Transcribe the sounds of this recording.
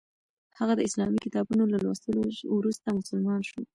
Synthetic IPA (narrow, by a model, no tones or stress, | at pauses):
hhaɣad̪əɪslɑmikɪt̪ɑbunolalwa̰st̪əlowɾust̪amʊsəlmɑnʃu